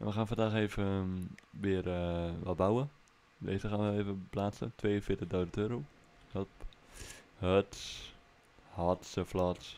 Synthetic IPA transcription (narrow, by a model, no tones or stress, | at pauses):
ɛ̰nʋəxaːnfandaːxeːvə | ʋɪərʋɔlbawə | ʋḛːsəxaːnʋəeːvəplaːtsə̰tʋeːəfɪətəχdowzətøːɾo | həlp | həts | hɔtsəflɔts